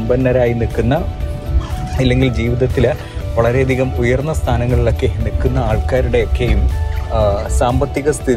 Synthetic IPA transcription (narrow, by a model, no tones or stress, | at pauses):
mbɐnːɐɾaːjinikːunːɐ | ilːe̞ŋɡild͡ʑiːʋiðɐt̪ːil | ʋɐɭɐɾe̞ɐd̪ʱiɣɐmujɐrnːɐst̪ʰaːnɐŋːɐɭiɭo̞kːe̞nikːunːɐaːɭkaːɾuɽe̞okːejum | saːmbɐt̪ːiɣɐst̪ʰið